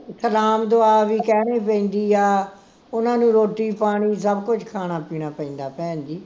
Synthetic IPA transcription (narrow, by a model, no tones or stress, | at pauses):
səlaːmd̪oaːʋiːkɛːɽ̃eːpɛ̃ĩːnd̪iːaː | ʊnãːnũːɾoːʈːiːpaːɽ̃iːs̬əbkʊt͡ʃkʰaːɽ̃aːpiːɽ̃aːpə̃ĩːnd̪aːpɛ̃ːnd̪iː